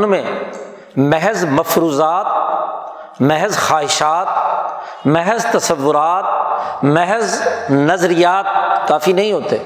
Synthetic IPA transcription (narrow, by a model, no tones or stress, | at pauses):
nmẽ | mɛɦzmɐfɾuːzaːt̪̚ | mɛɦzxaːɦɪʃaːt̪̚ | mɛɦɛzt̪ɐsəʋːʊɾaːt̪̚mɛɦznɐzɾijaːt̪̚kaːfinɐɦĩɦoːt̪eː